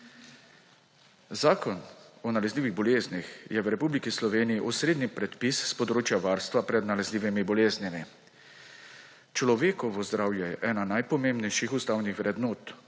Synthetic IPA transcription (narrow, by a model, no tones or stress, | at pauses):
zaːkɔnɔnalɛzliːʋiɣbɔleːznixjɛwɾɛpublikislɔʋeːniiʔɔsɾeːd̪nipɾɛt̪pisspɔd̪ɾoːt͡ʃjaʋaːɾst̪ʋapɾɛd̪nalɛzliːʋimibɔleːznimi | t͡ʃlɔʋeːkɔʋɔzd̪ɾaːwjɛjɛʔɛːnanajpɔmembnɛjʃixust̪awnixʋɾɛd̪noːt̪